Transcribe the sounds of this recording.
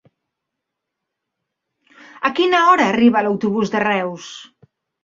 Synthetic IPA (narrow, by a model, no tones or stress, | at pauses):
əkinəɔɾəːriβ̞ələwt̪uβ̞uzd̪ərɛws